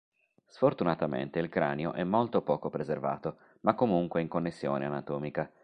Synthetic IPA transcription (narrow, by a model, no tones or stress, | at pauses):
sfort̪unat̪amḛnt̪eilkɾaːnjoʔɛmːolt̪opɔːkopɾezerva̰ːt̪o | makːomuŋkweiŋkonːesːjo̰ːneanat̪ɔːmika